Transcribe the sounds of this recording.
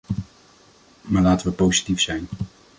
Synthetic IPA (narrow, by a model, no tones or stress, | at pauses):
maːɹlaːtəʋəpowzitifsɛjn